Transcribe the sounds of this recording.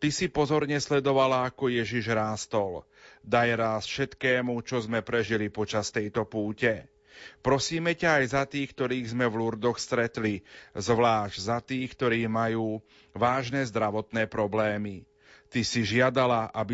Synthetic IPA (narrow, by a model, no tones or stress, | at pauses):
t̪isipɔzɔɾɲɛslɛd̪ɔʋalaakɔjɛʒiʒɾaːst̪ɔl | d̪ajɾaːsfʃɛt̪kɛːmut͡ʃɔzmɛpɾɛʒilipɔt͡ʃast̪ɛjt̪ɔpuːcɛ | pɾɔsiːmɛcaːjzat̪iːxk̚t̪ɔɾiːɣzmɛʋluɾd̪ɔxst̪ɾɛt̪lizʋlaːʒɟzat̪iːxkt̪ɔɾiːmajuː | ʋaːʒnɛːzd̪ɾaʋɔt̪nɛːpɾɔblɛːmi | t̪isiʒɪad̪alaʔabi